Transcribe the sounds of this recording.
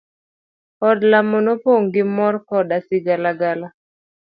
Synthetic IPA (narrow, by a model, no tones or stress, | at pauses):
ɔdlamonopoŋɡɪmɔrkɔdasɪɡalaɡala